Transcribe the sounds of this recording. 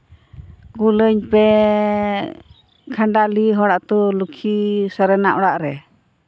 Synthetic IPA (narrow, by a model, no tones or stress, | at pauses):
ɡuləɲpɛ | kʰaɳɖaliɦɔɽaʔt̪ɔlukʰisəɾɛnaʔɔɽaʔɾɛ